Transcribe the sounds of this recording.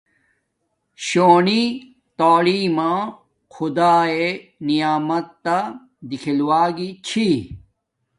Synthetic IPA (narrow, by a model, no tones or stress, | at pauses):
ɕoːni | t̪oːlimãː | kʰud̪aːenijaːmɐt̪ːa | d̪ikʰilwaːɡit͡ɕʰi